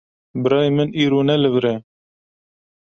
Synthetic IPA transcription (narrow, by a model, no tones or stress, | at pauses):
bɨɾɑːjmɨniːɾoːnɛlɨvɾɛ